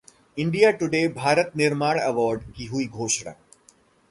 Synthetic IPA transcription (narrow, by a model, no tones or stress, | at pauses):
ɪ̃ɳɖijaːʈʊɖeːbʱaːɾət̪nɪɾmaːɳ̃ɐʋɔːɾɖkiɦuiɡʱoːʃɽ̃a̰ː